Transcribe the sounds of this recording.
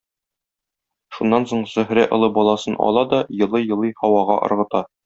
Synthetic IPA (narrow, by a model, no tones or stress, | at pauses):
ʃunːɑnsoɴzɵ̆ɦɾæʔŏlˠɤbɒlˠɑsɤnʔɒ̰lˠɑd̪ɒjɤ̆lˠɤjɤ̆lˠɤjhɒwɑʁɑʔŏ̰ɾʁɤ̆t̪ɑ